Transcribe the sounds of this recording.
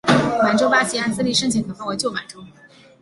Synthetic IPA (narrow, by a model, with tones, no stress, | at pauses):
ma˧˩nʈ͡ʂo˥ʊpa˥˩ɕi˧˥a˥nt͡sɹ̩˥˧li˥˩ʂə˥ŋt͡ɕʰi˧˥ŋkʰɤ˨˩fa˥˩wɔ˧˩˦t͡ɕjo˥˩ma̰˨˩nʈ͡ʂo˥